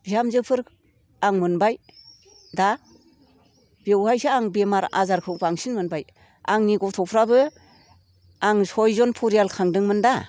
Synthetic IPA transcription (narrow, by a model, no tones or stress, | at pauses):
b̥ijamzɯpʰɯɾ | aŋmɯnbaj | da | b̥ewhajsɯaŋbemaɾa̰zaɾkʰɯbaŋsiŋmɯnbaj | aŋniɡɔtʰɔpʰɾabɯ | aŋsɔjzɔnpʰɔɾijalkʰaŋdɯŋmɯnda